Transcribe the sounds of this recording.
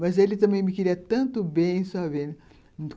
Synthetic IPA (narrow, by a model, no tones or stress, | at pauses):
mɐzelɪt̪ɐ̃mẽj̃mɪkɪɾiɐt̪ɐ̃nt̪ʊbẽj̃savẽ | ũt̪